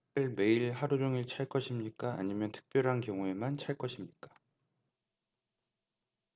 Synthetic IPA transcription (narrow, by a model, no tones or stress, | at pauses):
ɯɭme̞iɭɦaɾud͡ʑoŋiɭt͡ɕʰaɭk͈ʌɕʰimɲik͈aa̰ɲimjʌntʰɯ̥k̚p͈jʌɾɦankjʌŋue̞mant͡ɕʰaɭk͈ʌɕʰimɲik͈ḁ